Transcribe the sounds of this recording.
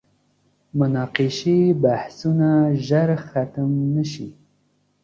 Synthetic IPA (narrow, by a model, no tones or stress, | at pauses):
mʊnɑqiʃebahsunaʒəɾxat̪əmnəʃḭ